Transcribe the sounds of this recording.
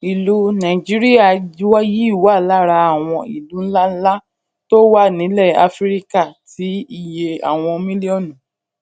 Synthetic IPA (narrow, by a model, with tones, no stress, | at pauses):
i˨lu˧nã˨d͡ʒi˨˦ɾi˦a˦˨d͡ʒi˦wa˦ji˦i˦˨wa˨˦˨la˦˨ɾa˧a˦˨w̃ɔ̃˧ḭ˨lũ˨˦la˦n̩˦la˦ | to˦wa˦nĩ˨˦lɛ˦˨a̰˧fɾi˦ka˦˨tʰi˨˦i˦˨je˧a̰˨w̃ɔ̃˧mĩ˦li˦ɔ˦˨nũ˨